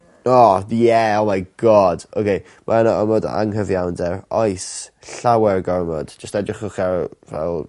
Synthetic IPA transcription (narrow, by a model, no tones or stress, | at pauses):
ɔjɛowmajɡ̥ɔd̥o̰kʰej | mʔaɛnɔɔmɔd̰a̰ŋɦəvjawndɛɹɔjs | ɬawɛrɡɔɹmɔ̰d̥d͡ʒəstɛdrɪχʊχavɛ̰lˠ